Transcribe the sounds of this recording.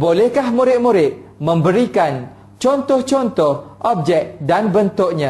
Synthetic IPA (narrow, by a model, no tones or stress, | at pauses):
bolɛhkahmũɾɪt̪̚muɾɪt̪̚mə̃mbəɾikan | t͡ʃɔnt̪ɔht͡ʃɔnt̪ɔhʔɔp̚d͡ʒɛk̚danbənt̪ʊk̚ɲã